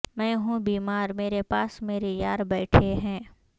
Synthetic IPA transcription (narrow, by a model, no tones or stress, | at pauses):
mɛ̃ːɦũbiːmaːɾmeːɾepaːsmeːɾejaːɾbɛːʈʰeɦɛ̃ː